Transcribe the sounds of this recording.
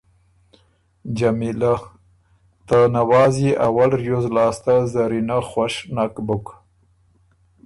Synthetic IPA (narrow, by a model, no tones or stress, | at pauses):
d͡ʒamila | t̪ənawɑziʔawalɾjozlɑːst̪azaɾinaxwaʃnakbʊk